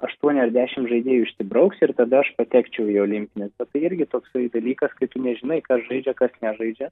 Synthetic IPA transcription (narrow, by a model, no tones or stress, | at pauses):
ɐʃt̪uɔnʲɪɐɾd̪ʲæːʃʲɪmʒɐɪd̪ʲiːjuɪʃʲsʲɪbɾɐʊksɪɾt̪ɐd̪ɐɐʃpɐt̪ʲæːkt͡ʃʲɛʊioːlʲɪmʲpʲɪnʲɪsbʲɛt̪t̪ːɐɪɪɾʲɡʲɪt̪oːksɐd̪ɐlʲiːkɐskɐɪt̪ʊnʲɛʒʲɪnɐɪkɐsʒɐɪd͡ʒʲɛkɐsnʲɛʒɐɪd͡ʒʲɛ